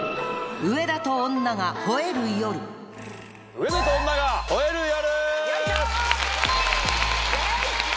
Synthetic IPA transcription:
ɯ̟e̞d̪at̪õ̞ːnːaɡaho̞e̞ɾɯ̟jo̞ɾɯ̟ | ɯed̪at̪oonːaɡahoeɾɯjoɾɯ

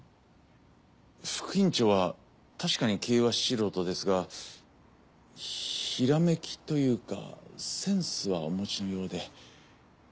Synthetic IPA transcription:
ɸɯ̥kɯ̟ĩɲt͡ɕo̞ːβa | t̪aɕi̥kaɲ̟ikʰe̞ːβaɕiɾo̞ːt̪o̞d̪e̞sɨɡa | çiɾame̞kʲi̥t̪o̞jɯ̟ːka̰sẽ̞ɰ̃sɨβaomo̞t͡ɕino̞jo̞ːd̪e̞

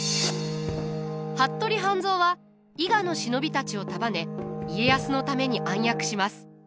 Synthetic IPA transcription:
hat̪ːo̞ɾʲiɦãnd͡zzo̞ːβa | iɡano̞ɕino̞bʲit̪at͡ɕio̞t̪abane̞ie̞jasɨnot̪ame̞ɲ̟iʔãɰ̃jakɯ̟̥ɕimasɨ̥

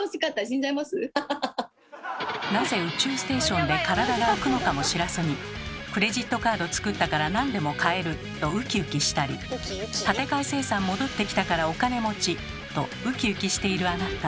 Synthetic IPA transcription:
noɕi̥kat̪ːaɕĩɲd͡ʑaimasɨ | naze̞ɯ̟t͡ɕɨːsɨ̥t̪e̞ːɕõ̞nd̪e̞kaɾad̪aɡaokɯ̟no̞kamo̞ɕiɾaseɲ̟ikɯ̟ɾe̞ʑit̪ːo̞kaːd̪o̞t͡sɨ̥kɯt̪ːakaɾanãnd̪e̞mo̞kae̞ɾɯ̟ | t̪o̞ɯ̟kʲiɯ̟kʲiɕi̥t̪aɾʲḭt̪at̪e̞kaise̞ːsãmːo̞d̪o̞t̪ːe̞kʲi̥t̪akaɾao̞kane̞mo̞t͡ɕi | t̪o̞ɯ̟kʲiɯ̟kʲiɕi̥t̪e̞iɾɯ̟anat̪ːa

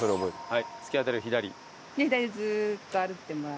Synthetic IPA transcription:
soɾeobo̞et̪hait͡sɨ̥iat̪eɾɯ̟çid̪aɾʲḭ | kʲiçid̪aɾʲid͡zɨːt̪ːoaɾɯt̪ːemoɾa

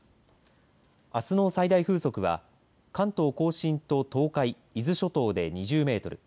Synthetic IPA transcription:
asɨno̞ːsaid̪aiɸɯ̟ːso̞kɯ̟βa̰ | kãnt̪o̞ːko̞ːɕĩnt̪o̞t̪o̞ːkai | izɨɕo̞t̪o̞ːd̪e̞ɲ̟iʑɨːme̞ːt̪o̞ɾɯ̟

